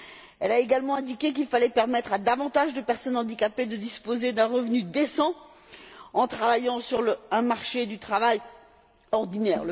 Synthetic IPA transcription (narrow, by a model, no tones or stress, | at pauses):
ɛlaeɡalmɑ̃ɛ̃d̪ikʲek̬ilfalɛpɛʁmɛt̪χad̪avɑ̃t̪aʒd̪əpɛʁsɔnɑ̃d̪ikaped̪əd̪ispozed̪ɛ̃ʁəvnyd̪esɑ̃ | ɑ̃t̪χavajɑ̃syʁlɛ̃maʁʃed̪yt̪χavaj | ɔʁd̪inɛːʁlə